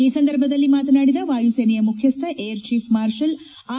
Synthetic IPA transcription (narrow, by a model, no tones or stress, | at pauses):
iːsɐnd̪ɐɾbʱɐd̪ɐlːimaːt̪ɐnaːɽid̪ɐʋaːjuseːnɛjɐmukʰjɐst̪ʰɐʔejɐɾt͡ʃiːfmaːɾʃɐl | aː